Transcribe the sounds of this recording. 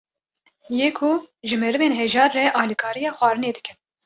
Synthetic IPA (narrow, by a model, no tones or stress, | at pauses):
jeːkʰuʒɨmɛɾɨveːnɦɛʒɑːɾːɛʔɑːlikʰɑːɾijɑːxʷwɑːɾɨneːd̪ɨkʰɨn